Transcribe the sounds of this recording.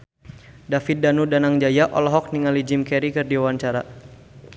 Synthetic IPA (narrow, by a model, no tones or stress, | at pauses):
dafit̪̚danudanaŋd͡ʒajaʔɔ̰lɔɦɔk̚niŋalid͡ʒimkɛɾikɨrdiawaɲt͡ʃaɾa